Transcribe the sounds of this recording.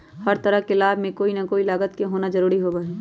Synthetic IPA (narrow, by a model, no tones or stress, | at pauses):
hɐɾt̪ɐɾəɦkelaːbmẽkoːinɐkoːilaːɡət̪keɦoːnazɐɾuːɾiɦobaɦiː